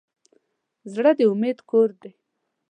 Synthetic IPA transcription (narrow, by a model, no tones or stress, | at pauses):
zɽəd̪əʊmed̪koɾd̪e